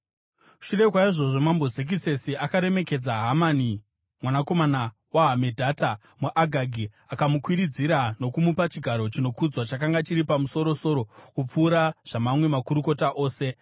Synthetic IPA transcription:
ʃure̞kwaiʐo̞ʐo̞mambo̞zek̬ise̞siakaɾe̞me̞ke̞d͡zaɦamani | mwanako̞mana | waɦame̞dʱata | muʔaɡʱaɡʱi | akamukwiɾid͡ziɾano̞kumupat͡ʃiɡʱaɾo̞t͡ʃino̞kud͡zwat͡ʃakaŋɡat͡ʃiɾipamuso̞ɾo̞so̞ɾo̞kup͡fuːɾaʐ̥amamwe̞makuɾuko̞taʔo̞ːse̞

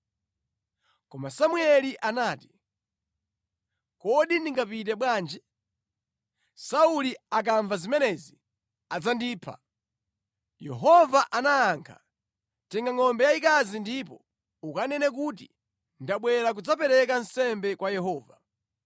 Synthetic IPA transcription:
kɔmasamuɛliʔanaːti̥ | kɔɗindiŋɡapit̬ɛɓwaːnd͡ʒɛ | sauliak̬aɱvazimɛnɛzi | ad͡zandiːpʰa̰ | jɛ̰ɦɔvaʔanaːŋkʰḁ̰ | tɛŋɡaŋɔmbɛjaikazindipɔ | ukanɛnɛk̬ut̬i | ndaɓwɛɾak̬ud͡zap̬ɛɾɛk̬an̩sɛmbɛkwajɛɦɔːva

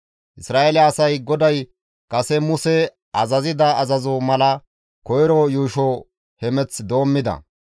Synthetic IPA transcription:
ʔɪsɾaːelaːsɐjɡɔd̪ɐj | kɐsɛmʊsɛ | ʔɐzɐzɪd̪ɐːzɐzomɐlɐ | kɔjɾɔjuːʃo | hɛmɛt͡sd̪o̞ːmːɪd̪ɐ̰

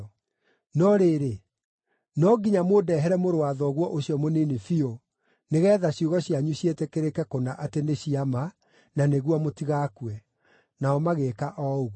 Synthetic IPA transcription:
nɔɾeɾe | nɔɡiɲamodɛɦɛɾɛmoɾowaðɔɣwɔʔoɕiɔmonenefio | neɣɛːðaɕjoɣɔɕiaɲuɕietɛkeɾekɛkonaʔateneɕiama | naneɣwɔmotiɣakwɛ | naɔmaɣekaʔɔoɣ

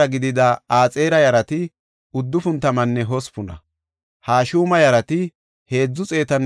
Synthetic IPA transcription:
ɐɡɪd̪ɪd̪ɐaːt͡sʼe̞ːɾɐjɐɾɐt̪ɪ | ʊd̪ːʊfʊnt̪ːɐmɐnːɛɦɔspʊnɐ̰ | haːʃuːmɐjɐɾɐt̪ɪ | he̞ːd͡zːʊt͡sʼe̞ːt̪ɐn

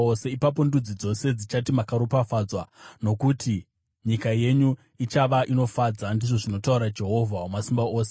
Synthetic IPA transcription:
ose̞ipap̬o̞ndud͡zid͡zo̞se̞d͡zit͡ʃatimakaɾupafaːd͡zwano̞kuti | ɲikaje̞ɲu | it͡ʃaʋaʔino̞fad͡zandiʐo̞ʐino̞tauɾad͡ʒe̞ɦo̞vʱaomasimbaoːse̥

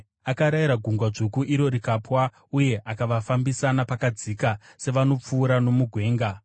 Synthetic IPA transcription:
akaɾaiɾaɡʱuŋɡwaʐukuʔiɾo̞ɾikaːpwa | uje̞ʔakaʋafambisanapakad͡zikase̞ʋano̞p͡fuːɾano̞muɡʱwe̞ːŋɡa

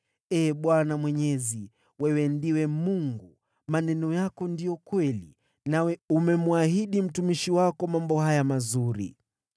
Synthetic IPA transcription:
ɛːɓwanamwɛɲɛzi | wɛwɛndiwɛmuŋɡu | manɛnɔjakɔndijɔkwɛlḭ | nawɛumɛmuahiɗim̩tumiʃiwakɔmambɔhajamazuɾḭ

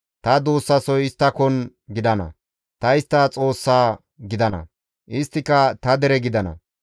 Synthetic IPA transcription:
t̪ɐd̪oːsːɐsɔjɪst̪ːɐkɔn | ɡɪd̪ɐnɐ̰ | t̪ɐɪst̪ːɐt͡sʼo̞ːsːaː | ɡɪd̪ɐnɐ̰ | ʔɪst̪ːɪkɐt̪ɐd̪ɛɾɛɡɪd̪ɐnɐ̰

